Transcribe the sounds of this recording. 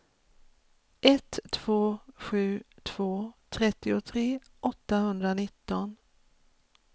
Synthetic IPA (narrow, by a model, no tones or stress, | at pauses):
ʔɛt̪ʰːv̥oːɧʉ̟ːt̪ʰv̥oːt̪ʰɾɛt̪ːɪʊt̪ʰɾeː | ʔɔt̪ːaɦɵnd̪ɾanɪt̪ːɔn